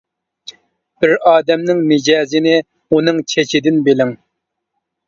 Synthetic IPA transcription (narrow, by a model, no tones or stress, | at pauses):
b̥ɪɾɑːd̪ɛmnɪŋnɪd͡ʒɛːzɪnɪ | unɨŋt͡ʃʰet͡ʃʰid̪ɪnbelɪŋ